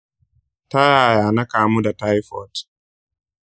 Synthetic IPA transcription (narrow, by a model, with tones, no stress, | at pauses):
ta˦ja˨ja˨na˦ka˨muda˨ta˦jfɔt